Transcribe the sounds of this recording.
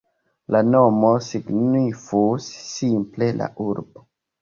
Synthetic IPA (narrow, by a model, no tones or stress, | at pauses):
lanomosiɡnifusːimplela̰ʔuɾbo